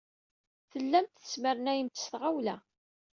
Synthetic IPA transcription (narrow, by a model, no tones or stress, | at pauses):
θəlːæmt̪θə̥sməɾənæjəmt̪ə̥sθʁawlæ